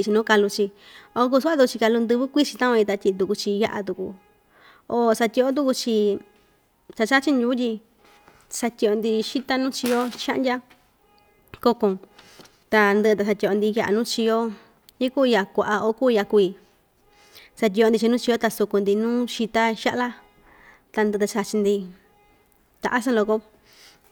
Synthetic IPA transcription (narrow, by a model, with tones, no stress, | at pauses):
t͡ʃi˧nũː˦ka˧lu˧t͡ʃi˧ | o˧˦ku˦˧su˦a˦t̪u˧ku˧t͡ʃi˧ka˧lu˧nd̪ɨ˧βɨ˦kʷi˦t͡ʃi˧t̪ã˦kũ˧ĩ˧t̪a˧tʲi˧t̪̬u˧ku˧t͡ʃi˧ja̰˧ʔa̰˧t̪u˧ku˧ | o˧sa˧t̪ʲi˧o˧˦t̪̬u˧ku˧t͡ʃi˧ | t͡ʃa˧t͡ʃa˦t͡ʃi˧njuː˧˦t̪ʲi˧ | sa˧t̪ʲi˧o˧nd̪i˧ʃi˦t̪a˦nũː˦t͡ʃi˧jo˦ʃa̰˦ʔndʲa˦ | ko˧kõ˧ | t̪a˧nd̪ɨ˧t̪a˧sa˧t̪ʲi˧o˧nd̪i˧ja˧ʔa̰˧nũː˦t͡ʃi˧jo˦ | jĩ˦ku˦˧ja˧kʷa˧ʔa˧o˧˦kuː˦˧ja˧kʷi˧ | sa˧t̬ʲi˧o˧nd̪i˧t͡ʃi˧ũː˦t͡ʃi˧o˦t̪a˧su˧ku˧nd̪i˧nũː˦ʃi˧t̪a˦ʃa˦ʔla˦ | t̪a˧nd̪ɨ˧t̪a˧t͡ʃa˧t͡ʃi˧nd̪i˧ | t̪a̰˨ʔa˦sã˦˧lo˧ko˦